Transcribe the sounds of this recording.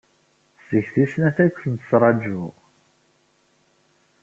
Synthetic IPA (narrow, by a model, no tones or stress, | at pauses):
səçθisnæθækʷːθənt̪əsɾˤɑd͡ʒu